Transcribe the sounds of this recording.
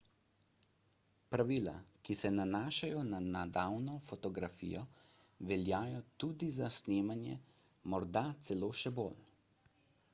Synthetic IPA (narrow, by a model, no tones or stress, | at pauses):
pɾaʋiːla̰kisɛnanaːʃajɔnanad̪awnɔfɔt̪ɔɡɾafḭːjɔʋɛljaːjɔt̪uːd̪izasneːmanjɛ̰ | mɔɾd̪at̪sɛloːʃɛbol